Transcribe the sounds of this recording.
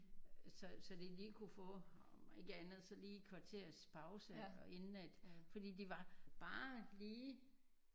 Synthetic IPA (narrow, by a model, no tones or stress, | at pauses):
sɒ̽sɒ̽d̥eliːkʰufɔ̰̽ːe̝ɡ̥əænð̞̩ˠsɒ̽liːkʰʋɑ̈t͡sʰe̝ɐspʰɑ̈ʊsəe̝nnæd̥fɒ̽d̥ḭːd̥iʋɑ̈b̥ɑ̈ːliː